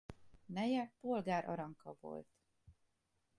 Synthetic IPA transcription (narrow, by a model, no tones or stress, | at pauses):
nɛjɛpo̞lɡaːɾʔɒ̰ɾɒŋkɒvo̞̰lt̪